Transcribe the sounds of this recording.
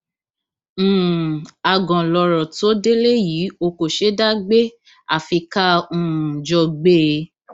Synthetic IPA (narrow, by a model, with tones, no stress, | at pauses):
a˨ɡɔ̃˨lɔ˧ɾɔ˨to˨˦de˦le˦ji˨˦o˧ko˨ʃe˦da˦ɡ͡be˦ | a˨fi˧ka˦ũ˦˨d͡ʒɔ˧ɡ͡be˦˧